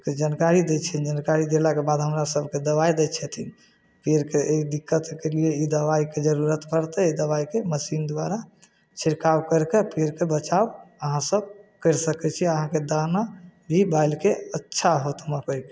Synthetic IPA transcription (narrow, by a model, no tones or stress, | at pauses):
ked͡ʒankaɾid̪ɛt͡ʃʰɛnd͡ʒankaɾid̪elakebad̪ɦəmɾasəbʱked̪əβajd̪ɛt͡ʃʰɛt̪ʰin | peɾkeeid̪ikːət̪kelieid̪əbaiked͡ʒəɾuɾət̪pəɾt̪ɛd̪əβaikeməsind̪waɾa | t͡ʃʰiɾkawkəɾkepeɾkebət͡ʃabəɦãsəb̚kəɾsəkɛt͡ʃʰiəɦãked̪anabʱibajlkeətːʃʰaɦot̪məkəɾke